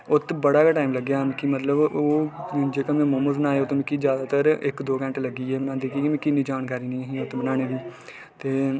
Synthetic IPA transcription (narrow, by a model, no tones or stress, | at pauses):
ʊt̪bəɽaːkaʈaːimləɡjaːmkimət̪ləboːd͡ʒeːkãmɛ̃ːmoməzbənaːeːoːt̪õːmɪkiːd͡ʒjaːd̪aːt̪əɾɪ̰kd̪oːkɛ̃ɳʈləɡiːɛːmənãːd̪eːkiːkimẽːkɪnĩːd͡ʒaːnkaːɾiːnĩːɦĩːʊt̪bənaːɽ̃eːʋiː | t̪eː